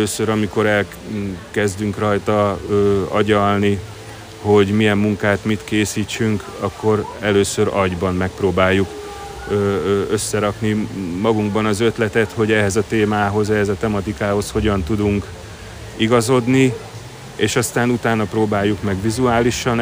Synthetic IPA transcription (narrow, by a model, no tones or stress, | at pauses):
øːsøɾɒmiko̞ɾɛl | kɛzd̪yŋkrɒjt̪ɒː | ɒ̰ɟɒlni | ho̞ɟmijɛmːuŋkaːt̪mit̪keːsiːt͡ʃːyŋk | ɒkːo̞ɾɛløːsøɾɒɟbɒmːɛk̚proːbaːjːukː | ø̞sːɛɾɒknimɒɡuŋɡbɒnɒzø̞t̪lɛt̪ɛt̪ho̞ɟɛɦɛzɒt̪eːmaːɦo̞zɛɦɛzɒt̪ɛmɒt̪ikaːho̞sho̞ɟɒnt̪ud̪uŋk | iɡɒzo̞d̪ni | eːʃɒst̪aːnut̪aːnːɒpɾoːbaːjːukmɛɡʋizuaːliʃɒn